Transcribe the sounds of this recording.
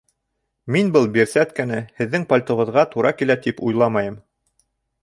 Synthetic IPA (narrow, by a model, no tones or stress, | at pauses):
minbɤlˠbiɾsæt̪kænɘhɘ̆ðːɘŋpolʲt̪ŏʁɤ̆ðʁɑt̪uɾɑkilæt̪ipujlˠɑmɑjɤm